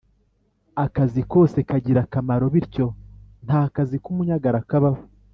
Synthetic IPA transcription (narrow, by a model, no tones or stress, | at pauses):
akaziko̞ːse̞kaɟiɾakamaɾo̞βiɾco̞n̥haːkazikumuɲaɡaɾakaβaho